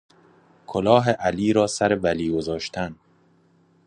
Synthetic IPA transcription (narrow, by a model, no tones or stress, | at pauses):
kʰolɒːɦeʔæliːɾɒːsæɾevæliːɡozɒːʃt̪ʰæn